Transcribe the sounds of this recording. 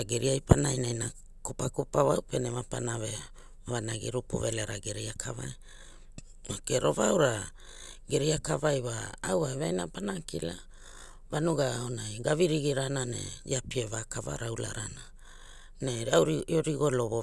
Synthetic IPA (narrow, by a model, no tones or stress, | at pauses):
aɡeɾiajpanajnajna | kupakupaβawpenemapa̰naβe | βanaɡḭɾupṵveleɾaɡeɾejakʰava̰j | makeɾo̞βawɾa | ɡeɾejakavajβaːwaβajnapanakila | βanuɡaonajɡaβiɾiɡiɾananḛj̰apievakava̰ɾawla̰ɾana | neɾoɾiɡo̞loβo